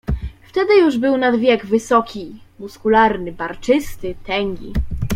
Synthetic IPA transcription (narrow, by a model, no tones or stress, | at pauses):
ft̪ɛd̪ɘjuʐbɘwnad̪vʲjɛɡvɘsɔkʲimuskulaɾnɘbaɾt͡ʂɘst̪ɘt̪ɛŋʲɡʲḭ